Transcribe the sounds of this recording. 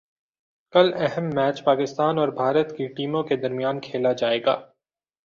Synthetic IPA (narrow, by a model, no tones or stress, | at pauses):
kɐlɛɦɛmːɛːt͡ʃpaːkɪst̪aːnɔːɾbʱaːɾət̪kiʈiːmõked̪ɐɾmijaːnkʰeːlad͡ʒaːeːɡa̰ː